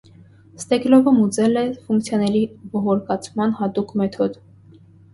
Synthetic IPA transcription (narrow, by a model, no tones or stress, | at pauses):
st̪ɛklɔvəmut͡sɛlɛfuŋkt͡sʰjɑnɛɾibɔʁɔɾkɑt͡sʰmɑnhɑt̪ukmɛt̪ʰɔd̪